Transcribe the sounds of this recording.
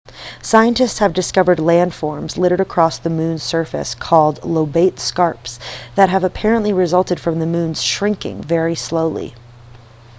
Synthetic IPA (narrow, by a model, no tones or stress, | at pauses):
saɪɨ̃ntɨstshɨvdɨskʌvə˞dˡlæ̃nd̥fɔɹmzlɪɾə˞ɾɨkʰɹ̥ɔsðɨmʉ̃nsɜ˞fɨ̰skʰɔlˠdˡloʊbeɪtskɑɹpsðɨt̚ɦɨvəpʰɛɹə̃nʔliɹɨzʌlˠtɨd̥fɹʌ̃mðɨmʉ̃nz̥ʃɹɪ̃ŋkɪ̰̃ŋvɛɹisloʊlˠḭ